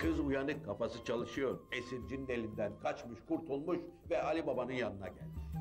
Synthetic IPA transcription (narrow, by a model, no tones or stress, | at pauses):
kʰɯzujanɯkʰːapasɯt͡ʃʰalˠɯʃɯjo̞ɾesiɾd͡ʒind̪elʲind̪ænkʰat͡ʃmɯʃkʰuɾt̪ʰulˠmuʃvɛalʲibabanɯnjanɯna̰ɟæ̰lʲmiʃ